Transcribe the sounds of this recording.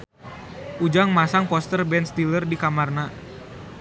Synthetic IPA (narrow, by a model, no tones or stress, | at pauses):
ʔud͡ʒaŋmasaŋpɔst̪ərbɛnst̪ilərdikamarna